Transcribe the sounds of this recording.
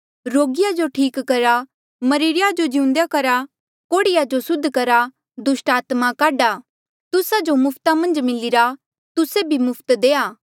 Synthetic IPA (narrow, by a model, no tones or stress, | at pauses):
ɾoːɡɪjad͡ʒoʈʰiːkːɐɾa | mɐɾɪɾɪjad͡ʒod͡ʒɪʊ̃nd̪jakɐɾa | koːɽɪjad͡ʒosʊd̪ʱːkɐɾa | d̪ʊsʈaːt̪makaːɖa | t̪ʊsad͡ʒomʊpʰt̪amɐ̃nd͡ʒmɪlɪɾa | t̪ʊsebʱimʊpʰt̪d̪eːaː